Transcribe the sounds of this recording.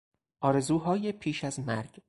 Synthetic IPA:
ʔɒːɾe̞zuːɦɒːjepʰiːʃæzmæɾɡ

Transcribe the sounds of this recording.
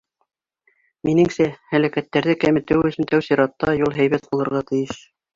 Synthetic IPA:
minɘŋsæhælækæt̪ːæɾðɘkæmɘ̆t̪ɘwɵ̆sɘnt̪æwsiɾɑt̪ːɑjulˠɦæjβæt̪̚bulˠɤ̆ɾʁɑt̪ɘ̆jɘʃ

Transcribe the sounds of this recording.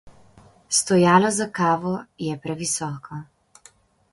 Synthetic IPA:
st̪ɔjaːlɔzakaːʋɔjɛpɾɛʋisɔːkɔ

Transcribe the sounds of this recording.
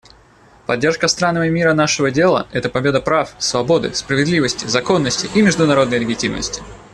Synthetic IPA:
pɐdʲːe̞rʂkəst̪ɾanːəvəmʲiɾənaʂɨvədʲe̞lˠə̰ɛt̪əpɐbʲe̞d̪əpɾafsvɐbo̞d̪ɨ̰spɾəvʲɪd̪lʲivəsʲtʲɪzɐko̞nːəsʲtʲɪʔimʲɪʐd̪ʊnɐɾo̞d̪nəjlʲɪɡʲɪtʲimnə̰sʲtʲɪ̥

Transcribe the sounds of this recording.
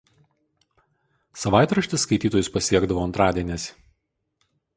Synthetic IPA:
sɐʋɑˑɪt̪ɾɐʃʲt̪ʲɪsːkɐɪt̪ʲiːt̪oːjʊspɐsʲiɛɡd̪ɐʋoːɐnt̪ɾɑːd̪ʲiɛnʲesʲ

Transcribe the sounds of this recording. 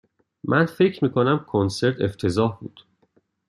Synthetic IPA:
mʔænfe̞cʰmiːkʰonæmkʰonse̞ɾt̪ʰe̞ft̪ʰe̞zɒːhbṵːd̪̥

